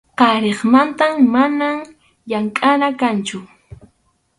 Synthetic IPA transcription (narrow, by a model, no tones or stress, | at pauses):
qɑɾeχmant̪ammanam | jaŋkʼanakant͡ʃʊ